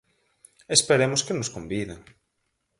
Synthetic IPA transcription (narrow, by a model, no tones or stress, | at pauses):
espeɾemoskenoskombiðeŋ